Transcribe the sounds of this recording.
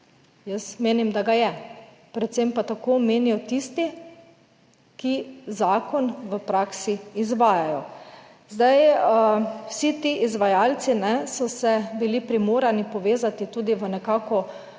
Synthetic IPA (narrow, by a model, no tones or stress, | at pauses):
jəsmeːnimd̪aɡajɛ | pɾɛt̪sempat̪akoːmeːnijɔt̪ist̪i | kizaːkɔnʋəpɾaːksiːzʋaːjajɔ | zd̪aj | wsit̪iʔizʋajaːlsinɛsɔsɛbilipɾimoːɾanipɔʋeːzat̪it̪uːd̪iʋənɛkaːkɔ